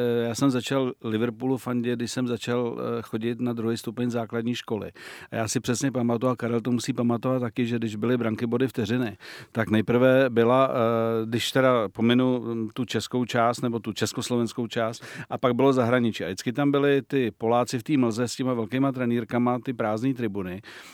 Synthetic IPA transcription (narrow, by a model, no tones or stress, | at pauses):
jaːsɛmzat͡ʃallɪvɾpuːlufaɲɟɛdɪʃsɛmzat͡ʃalxo̞ɟɪt̪nad̪ɾuɦijst̪upɛɲzaːkladɲiːʃko̞lɪ̰ʔajaːsɪpr̝̥ɛsɲɛpamat̪uakaɾɛlt̪omusiːpamat̪ovat̪ːakɪʒɛdɪʒbɪlɪbɾaŋkɪbo̞dɪft̪ɛrɪnɪt̪aknɛjpɾ̩vɛbɪladɪʃt̪ɛdapo̞mɪnut̪ut͡ʃɛsko̞wt͡ʃaːst̪nɛbo̞t̪ut͡ʃɛskoslovɛnskowt͡ʃaːst̪ʔapaɡ̚bɪlo̞zaɦɾaɲɪt͡ʃiːʔa̰dɪt͡skɪt̪ambɪlɪt̪ɪpo̞laːt͡sɪft̪iːml̩zɛscɛmavɛlkɛjmat̪ɾɛniːɾkamat̪ɪpɾaːzniːt̪ɾɪbunɪ